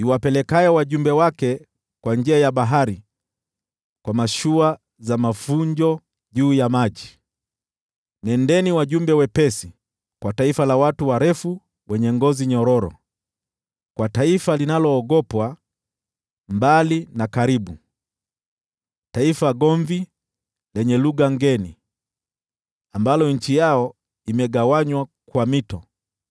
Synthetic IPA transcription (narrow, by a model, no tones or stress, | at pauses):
iwapɛlɛkajɔwaʄumbɛwakɛ | kwand͡ʒiajaɓaɦaɾi | kwamaʃua | zamafuɲd͡ʒɔ | ʄuːjamaʄi | nɛndɛniwaʄumbɛwɛpɛsi | kwataifalawatuwaɾɛfu | wɛɲɛŋɡɔziɲɔɾɔɾɔ̰ | kwataifalinalɔːɡɔpwa | mbalinakaɾiɓu | taifaɡɔɱvi | lɛɲɛluɡaŋɡɛni | ambalɔɲ̩t͡ʃijaɔ | imɛɡawaɲwakwamitɔ